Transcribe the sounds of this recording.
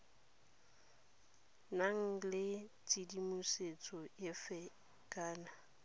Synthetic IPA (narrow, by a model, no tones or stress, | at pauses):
naŋ̩lɪt͡sʼidimuset͡sʼɔjɪfɛ | kʼaːna